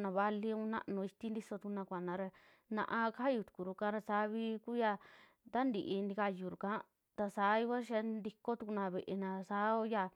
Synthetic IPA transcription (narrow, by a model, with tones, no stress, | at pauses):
nã˨˧βa˧li˧ũ˧˦nã̰˦ʔnũ˧i˧t̪i˦nd̪i˦so˧t̪u˧ku˧nã˧kʷa˨nã˨˧ɾe˧ | nã̰˧ʔã˧ka˦a˦ju˧t̪u̥˨ku˨ɾu˧kã˧˦ɾa˧sa˨˧˦βi˧˦ku˦ja˧ | t̪a˦nd̪i˧ʔi˧ni˧ka˧ju˨ɾu˨kã˦ | t̪a˧saː˨˦i˧ka˦ʃa˧˦nd̪i˧ko˦t̪u˧ku˧nã˧βe˨ʔe˧nã˧sa˨˦o˧˦ja˧